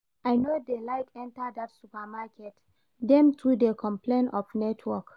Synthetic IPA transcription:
ʔajnodelajkɛ̃ntadatsupamakɛt | dɛ̃mtʰudekʰɔ̃mplẽnʔɔfnɛtʰwɔk

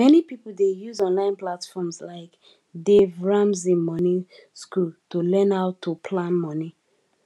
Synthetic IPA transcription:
mɛnipipl̩dejuzɔ̃nlãɪ̃nplatfɔmzlaɪk | devɹãmzĩmɔniskultulɛ̃naʊtʰːupʰlãnmɔni

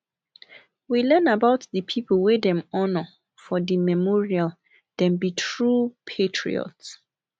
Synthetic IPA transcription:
wilɛ̃nabaʊtðəpʰipʰəlˠwedɛ̃mɔnɔ | fɔdimɛmɔɹial | d̥ɛ̃mbitʰɹupʰetʰɹḭɔ̰ts

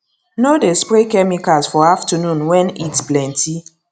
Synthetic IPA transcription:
nodespɾekɛmikasfɔaftɔnũnwɛ̃nitsplɛ̃ntʰi

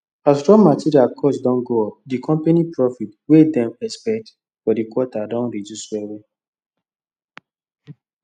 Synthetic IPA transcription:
asɹɔ̃ŋmatʰiɾialkʰɔsdɔ̃nɡoɔp̚dikʰɔ̃mpenipɹɔfitwedɛ̃mɛspɛk̚t | fɔdikwɔtadɔ̃nɹid͡ʒuswɛwĩ

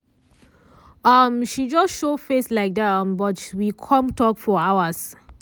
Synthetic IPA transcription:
ʌmʃid͡ʒɔsʃofeslaɪk̚dɛtʌ̃mbɔtwikʰɔ̃mtɔkfɔawəs

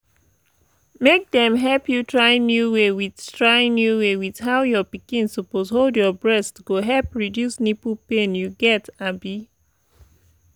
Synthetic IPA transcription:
mek̚dɛ̃mɦɛlpjutʰɹaɪ̃njuwewið̥tɹaɪ̃njuwewið̥ɦaʊjɔpikĩnsɔpozholdjɔbɹɛstɡ̥oɦɛlpɹidjusnipupẽnjuɡɛtabi

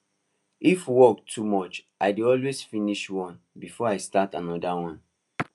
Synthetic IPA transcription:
ifwɔk̚tʰumɔt͡ʃʔaɪdeɔlwezfiniʃwɔ̃n | bifɔaɪstatãnɔdawɔ̃n

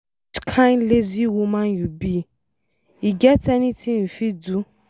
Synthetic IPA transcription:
kʰãnleziwomãn̩jubi | iɡɛtɛnĩtʰiñ̩fidu

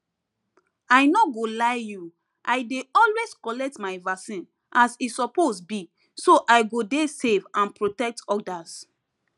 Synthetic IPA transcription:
ajnɔɡolaɪju | ʔajdeɔlweskɔlɛk̚tmaɪvasĩn | ʔasisɔposbi | soʔaɪɡodesevãnpɹotɛk̚tɔdas

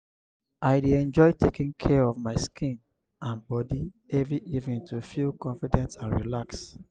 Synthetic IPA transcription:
ʔaɪdeɛ̃nd͡ʒɔɪtʰekĩŋkʰɛɹɔvmaɪskʰĩn | ãnbɔdi | ɛvɹiʔivnĩntʰufilkɔ̃ɱfidɛ̃nsãnɹilaks

